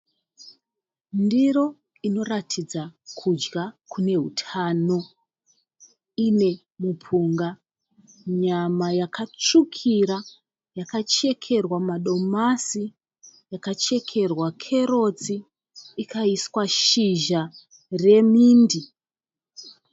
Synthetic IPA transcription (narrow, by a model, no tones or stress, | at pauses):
ndiɾo̞ | ino̞ratʰid͡zakʰud͡ʒɡakʰune̞ɦṵtʰano̞ | ine̞ | mupʰuŋɡa | ɲamajakʰat͡ʂukʰiɾa | jakat͡ʃe̞kʰe̞rwamaɗo̞masi | jakat͡ʃe̞kʰe̞rwakʰe̞ɾo̞t͡siː | kʰaiswaʃiʒa | re̞miːndi